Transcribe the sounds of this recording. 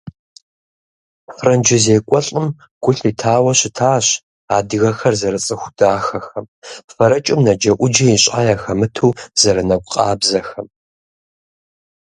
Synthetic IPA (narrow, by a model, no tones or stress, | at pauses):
frɐnd͡ʒɪzeːkʷʼɔɬʼɨm | ɡ̥ʷʊɬitʰaːwɐɕɪtʰaːɕ | a̰ːdɨɣɐxɐrzɐɾɨt͡sʼɨxʷʊdaːxɐxɐm | fɐɾɐt͡ʃʼɪmnɐd͡ʒɐʔʷʊd͡ʒɐiɕʼaːjaːxɐmɨtʰuːz̥ɐɾɨnɐɡʷʊqʼɑːbzɐxɐm